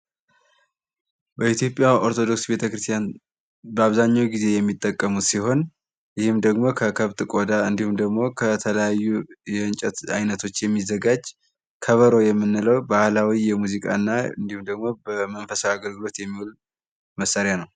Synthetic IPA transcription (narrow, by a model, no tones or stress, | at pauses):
bəit̪jo̞pʼjao̞ɾt̪ʰo̞d̪o̞ksbe̞t̪ʰəkɨɾɨst̪ʰjan | bəaβzaɲːawɡize̞jɛmːit̪ʼːəkʼːəmut̪siɦo̞n | jɪhɨmd̪əɡmo̞kʰəkʰəβt̪ʼɨkʼo̞d̪aɨnd̪ihumd̪əɡmo̞kʰət̪ʰələjajːujɛɨnt͡ʃʼɛt̪ajnət̪ʰo̞t͡ʃːjɛmːizːəɡad͡ʒ | kʰəβəɾo̞jɛmːɨnːɨləwbahlawijɛmuzikʼa̰nːaɨnd̪ihumd̪əɡmo̞bəmənfəsaːɡəlɡɨlo̞t̪jɛmːiwul | məsːaɾjanəw